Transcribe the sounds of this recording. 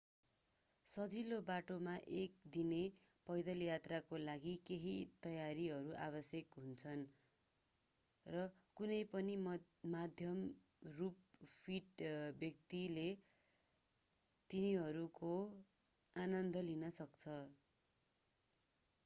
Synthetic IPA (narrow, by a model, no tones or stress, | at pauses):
sʌd͡zilobaʈomaʔek̚d̪inepʌjd̪ʌljat̪rakolaɡikeɦḭt̪ʌjaɾiɦʌɾuʔaβʌsjʌkɦunt͡sʰʌn | rʌkunʌjpʌni | mad̪ʱjʌm | rup̚pʰiʈbjʌk̚t̪ile | t̪iniɦʌɾuko | anʌnd̪ʱʌlinʌsʌkt͡sʰʌ